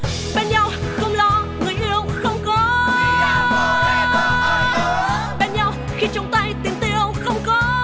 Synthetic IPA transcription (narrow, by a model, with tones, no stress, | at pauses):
ɓe˧˩nɲa˧˩w | xə˧wŋ͡mlɔ˨˦ŋɨ˨˩əjʔi˧əwxə˧wŋ͡mkɔ˨˦˧ | ɓe˧˩nɲa˧w | xi˧t͡ɕʊ˨˦wŋ͡mt̪a˧jt̪i˨˦əŋt̪i˧˩əwxə˧wŋ͡mkɔ˨˦